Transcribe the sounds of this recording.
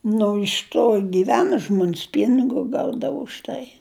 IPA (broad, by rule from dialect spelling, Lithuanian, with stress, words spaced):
nʊ ɪʃ ˈtoː ɡʲɪˈʋʲæːnɐ ˈʒmoːnʲs ˈpʲiːnʲɪɡʊ ˈɡɐʊdɐʋʊ ʊʃ ˈtɐɪ